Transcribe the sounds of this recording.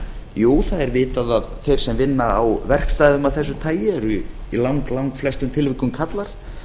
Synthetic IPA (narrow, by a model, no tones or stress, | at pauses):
juːwθaðɛɾvɪːt̪aðaðθejɾ̥sɛmvɪnːaːwvɛr̥kst̪aːjðʏmaðθɛsːʏt̪ʰaːjɛɾʏ | ilawŋklawŋkflɛst̪ʏmt̪ʰɪlvɪkʏmkʰat̪laɾ̥